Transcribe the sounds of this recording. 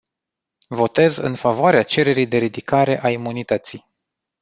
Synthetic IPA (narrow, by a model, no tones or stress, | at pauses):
vo̞t̪e̞zɨ̰nfavoaɾeat͡ʃe̞ɾe̞ɾijd̪e̞ɾid̪ikaɾe̞ʔaimunit̪ət̪sij